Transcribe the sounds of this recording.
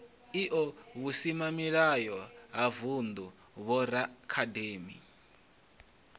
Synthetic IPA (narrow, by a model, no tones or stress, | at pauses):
iʔɔβusimamiɺajɔɦavund̪u | βɔɾakʰadeːmḭ